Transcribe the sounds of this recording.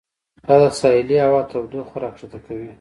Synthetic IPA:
d̪ad̪asɑɪliawɑt̪aɾd̪oxʊɾɑkʂat̪akawi

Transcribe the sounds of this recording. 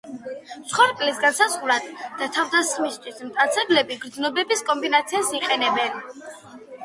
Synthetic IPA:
sχwaɾkʼlisɡansazʁuɾad̪d̪̥at̪ʰavd̪asχmist̪ʰwismt̪ʼat̪sʰɛblɛbiɡɾd̪znɔbɛbiskʼɔmbinat̪sʰiasiqʼɛnɛbɛn

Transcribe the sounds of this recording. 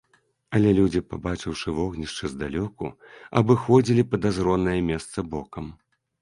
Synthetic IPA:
ɐlʲɛlʲud͡zʲipa̰bat͡ʂɨwʂɨvɔɣnʲiʂt͡ʂɨzd̪alʲɔkṵɐ̰bɨxɔd͡zʲilʲipɐd̪azɾɔnːɐjɐmʲɛst̪sɐbɔkɐm

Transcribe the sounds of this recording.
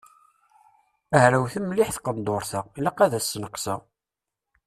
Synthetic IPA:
æhɾæwθəmlɪħθqəmd̪ʊɾθələqæðæsːnəqsæ

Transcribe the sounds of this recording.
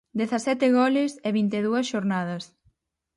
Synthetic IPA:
d̪eθɐsɛt̪ɪɣɔlɪsɪβint̪eðuɐsʃoɾnað̞ɐs

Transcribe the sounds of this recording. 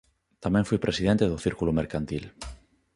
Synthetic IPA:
t̪amẽɱfujpɾesið̞ẽnt̪eðoθiɾkulomeɾkant̪il

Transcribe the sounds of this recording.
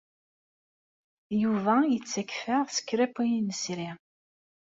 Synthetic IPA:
juvæət͡sːækːfəʁsə̥kːɾæpijinəsɾi

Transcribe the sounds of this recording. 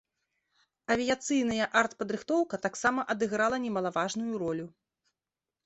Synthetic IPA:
ɐvʲijat̪sɨjn̪ɐjɐʔart̪pɐd̪ɾɨxt̪ɔwkɐt̪aksamɐʔɐd̪ɨɣɾalˠɐnʲɛmɐlˠavaʐnujuɾɔlʲu

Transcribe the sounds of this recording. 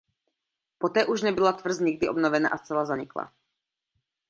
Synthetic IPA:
pot̪ɛːʔuʒnɛbɪlat̪vr̩zɲɪɡ̚dɪʔobnovɛna̰ʔast͡sɛlazaɲɪkla̰

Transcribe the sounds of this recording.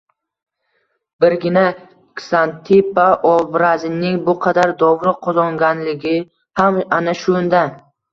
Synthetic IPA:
bɪɾɡʲɪna | ksant̪ʰipaʔɒbɾazɪnɪŋbʊqʰɑd̪aɾd̪ɒvɾɪqʰɒzɒŋɡʲanlɪɡʲɪ | hamanaʃʊnd̪a

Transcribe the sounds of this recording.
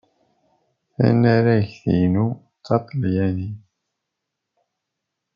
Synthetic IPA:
æ̰næɾæʝθḭnu | t͡sːɑt̪ˤljæni

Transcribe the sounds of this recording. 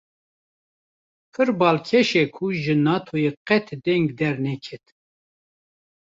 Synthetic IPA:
pʰɨɾbɑːlkʰɛʃɛkʰuʒɨnɑːt̪ʰojeqɛt̪ʰd̪ɛŋɡd̪ɛɾnɛkʰɛt̪

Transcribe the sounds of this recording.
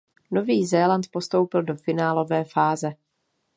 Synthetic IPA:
no̞viːzɛːlant̪po̞st̪o̞wpɪldo̞fɪnaːlo̞vɛːfaːzɛ

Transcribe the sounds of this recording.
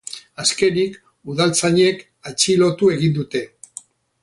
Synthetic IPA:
aske̞nik | uðalt͡saɲe̞k | at͡ʃilo̞t̪ue̞ɣind̪ut̪e̞

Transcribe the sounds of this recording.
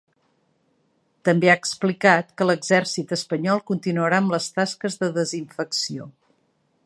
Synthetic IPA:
t̪əmbeaəksplikat̪̚kələɡzɛrsit̪əspəɲɔlˠkunt̪inuəɾaəmləst̪askəzðəðəziɱfəksio

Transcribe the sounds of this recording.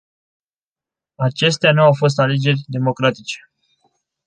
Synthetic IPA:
at͡ʃe̞st̪eanuawfo̞s̬t̪ale̞d͡ʒe̞rʲd̪e̞mo̞kɾat̪it͡ʃe̞̥

